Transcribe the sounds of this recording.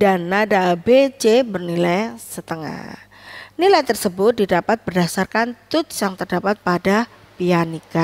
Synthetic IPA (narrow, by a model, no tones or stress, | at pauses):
danːadabet͡ʃebərnilajsət̪əŋa̰h | nilajt̪ərsəbʊt̪̚didapat̪̚bərdasarkant̪ʊt̪sjaŋt̪ərdapat̪̚pada | pianika